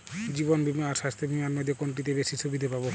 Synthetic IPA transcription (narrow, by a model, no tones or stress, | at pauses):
d͡ʑibonbimaɾʃast̪ʰebimanmojd̪ʱːjekoɳʈ̬it̪ebeʃisʰobid̪ʱepabo